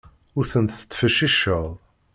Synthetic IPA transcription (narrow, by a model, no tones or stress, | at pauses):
ʊɾθənθə̥t͡s̪ːfəʃiʃəðˤ